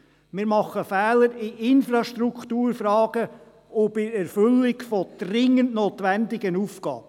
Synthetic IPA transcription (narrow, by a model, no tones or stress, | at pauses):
mɪːɾmɑχːəfɛːləɾɪʔɪnfɾɑʃtɾukχtuːɾfɾɑːɡ̥ə | ɔbɪɾɛɾfʏlːɪkfɔd̪̥rɪŋːəntnoːt̪ʋændɪɡənufɡ̥ɑ̰ːbə